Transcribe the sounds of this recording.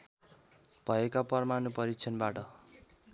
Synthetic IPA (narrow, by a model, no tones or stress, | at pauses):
b̥ʱʌekapʌrmanupʌɾit͡sʰʌnbaʈʌ